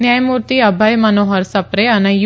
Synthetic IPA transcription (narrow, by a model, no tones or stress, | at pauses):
njaːjmuːɾt̪iɐbʱɐjmɐnoːɦɐɾsɐpɾeɐnɐj